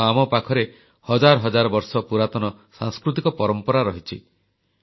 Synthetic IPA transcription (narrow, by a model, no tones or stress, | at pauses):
amɔpakʰɔɾe | hɔd͡ʒaɾɔɦɔd͡ʒaɾɔbɔɾsɔpuɾat̪ɔnɔsã̰ŋskɾut̪̬ikɔpɔɾɔmpɔɾaɾɔɦit͡ʃʰi